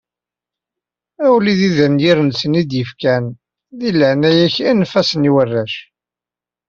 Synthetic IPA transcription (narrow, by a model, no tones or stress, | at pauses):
æwliðiðənjiɾənsənid̪jəfkæn | ðiləʕnæjæçænfæsəniwərːæʃ